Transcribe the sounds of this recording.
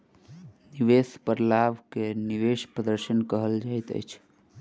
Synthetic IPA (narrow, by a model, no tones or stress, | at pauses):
niʋespəɾlaʋkeniʋeʃpɾəd̪əɾʃənkəɦəld͡ʒajt̪ə̰jt͡ʃʰ